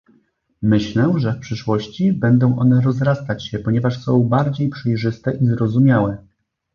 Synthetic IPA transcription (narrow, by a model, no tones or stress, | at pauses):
mɘɕlɛʐɛfpʂɘʂwɔɕt͡ɕibɛnd̪ɔ̃w̃ʔɔn̪ɛɾɔzɾast̪at͡ɕɕɛpɔɲɛvaʂsɔ̃w̃baɾd͡ʑejpʂɛjʐɘst̪ɛʔizɾɔzumʲjawɛ